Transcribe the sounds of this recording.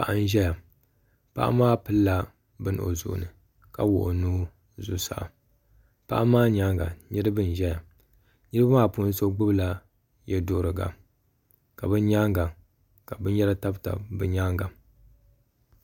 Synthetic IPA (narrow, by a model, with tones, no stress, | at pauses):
pa˨ʔa˦n˦ʒɛ˦ja˨ | pa̰˦ʔa̰˦maː˦pɨ˦lːa˦ | bɨ˦n˦o̰˨zʊ̰˨ʔʊ̰˨nɨ˨ | ka̰˦wʊ̰˨ʔʊ˨nuː˦ | zu˨sa̰˨ʔa̰˨ | pa˦ʔa˦maː˦ɲa˦ŋɡa̰˨ɲɨ˦ɾɨ˦bɨ˦˨n˨ʒɛ˦ja˨ | ɲɨ˦ɾɨ˦bmaː˦˨pu˦n˦so˦ɡ͡bɨ˦bla˦ | jɛ˦dʊ˦ʔʊ˦˨ɾɨ˨ɡa̰˨ | ka˨bɨ˦nɲa˦ŋɡa˨ | ka˨bɨ˦njɛ˦ɾa˦ta˦bta̰˨bɨ˨ɲa˦ŋɡa˨